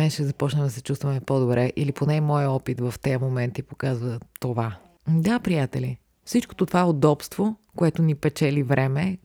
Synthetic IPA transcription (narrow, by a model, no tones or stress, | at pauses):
ɛʃɛzɐpɔt͡ʃnəmd̪ɐsɛt͡ʃust̪vɐmɛpod̪obɾɛʔiliponɛmɔjəɔpit̪vɐft̪ɛjəmomɛnt̪ipokazvət̪ova | d̪apɾijat̪ɛli | fsit͡ʃko̥t̪ot̪ovaod̪ɔpst̪vokoɛt̪onipɛt͡ʃɛlivɾɛmɛ